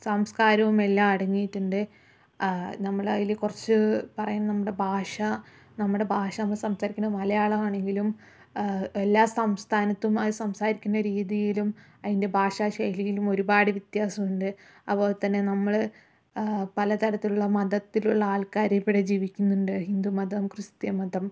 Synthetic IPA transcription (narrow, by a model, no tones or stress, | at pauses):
sɐmskaːɾɐʋume̞lːaːmɐɽɐŋːijiʈːuɳɖɨ | nɐmːɐɭɐilikurɐt͡ɕːɨpɐrɐjunnɐmːuɽe̞bʱaːʂɐ | nɐmːuɽe̞bʱaːʂɐnɐmːɐɭsɐmsaːɾikʲːunːɐmɐlɐjaːɭɐmaːɳe̞ŋɡilum | elːaːsɐmst̪ʰaːnɐt̪ːumɐðɨsɐmsaːɾikʲːunːɐɾiːðijilum | ɐðinde̞bʱaːʂaːɕɐjlijilumo̞ɾubaːɽɨʋjit̪jaːsɐmuɳɖɨ | ɐpːo̞ːt̪ːɐnːe̞nɐmːɐɭ | pɐlɐt̪ɐɾɐt̪ːiluɭːɐmɐd̪ɐt̪ːiluɭːɐaːlkaːɾɐpːeɽed͡ʑiːʋikʲːunːuɳɖɨhind̪umɐd̪ʱɐmkrɨst̪jɐmɐd̪ʱɐm